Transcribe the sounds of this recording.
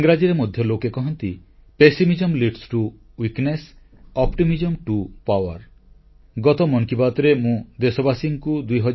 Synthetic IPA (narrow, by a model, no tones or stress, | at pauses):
ŋɡɾad͡ʒiɾemod̪ʱjɔlokekɔɦɔnt̪ipesimid͡ʒɔmliʈsʈu | wiknes | ɔpʈimid͡ʒɔmʈupawaɾ | ɡɔt̪ɔmɔŋkibat̪ɔɾemũd̪esɔbasiŋkud̪ujɦɔd͡ʒ